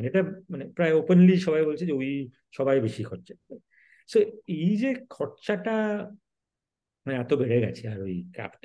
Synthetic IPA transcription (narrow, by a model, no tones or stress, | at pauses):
maneeʈamanepɹajopenliʃɔbajbolt͡ɕʰid͡ʑeoj | ʃɔbajbeʃikʰɔtt͡ʃaa | soejd͡ʑekʰɔtt͡ʃaʈa | maneat̪obeɹeɡa̰t͡ɕʰiaɹojka̰pt